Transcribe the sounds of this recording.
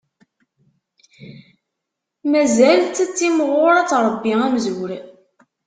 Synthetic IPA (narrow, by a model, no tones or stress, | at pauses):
mæzælt̪ːt͡sːimʁʊɾˤɑt͡sːɾˤəbːiæmzwɾ